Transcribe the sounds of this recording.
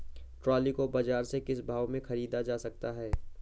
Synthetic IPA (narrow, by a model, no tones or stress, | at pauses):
ʈɾɔːlikobaːd͡ʒaːɾsekɪsbʱaːʋmẽxɐɾiːd̪ad͡ʒaːsɐk̚t̪aɦɛː